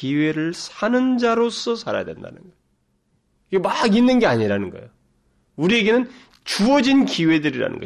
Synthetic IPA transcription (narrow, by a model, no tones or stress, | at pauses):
kiwe̞ɾɯɭsʰanɯnd͡ʑaɾos͈ʌsʰaɾa̰ja̰dwe̞̰nda̰nɯnɡʌ | iɡemaɡinːɯnɡe̞aɲiɾanɯnɡʌ̰j̰o | uɾie̞ɡe̞nɯn | t͡ɕuʌd͡ʑinkiwe̞dɯɾiɾa̰nɯ̰nɡʌ̰